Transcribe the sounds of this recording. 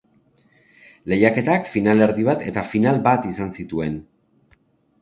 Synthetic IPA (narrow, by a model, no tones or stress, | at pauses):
le̞jake̞t̪akfinale̞ɾðiβ̞at̪e̞t̪afinalbat̪isansit̪ue̞n